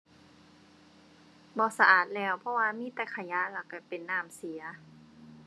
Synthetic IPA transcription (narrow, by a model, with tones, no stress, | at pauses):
bɔː˧˦sa˧ʔaː˨˩t̪̚lɛː˧˩wpʰɔ˧˦waː˧miː˧˥˨t̪ɛ˨˩kʰa˧˩ja˧˥˨la˧˩wka˧˩pe˨nːaː˧˥˩msi˨˦ɐ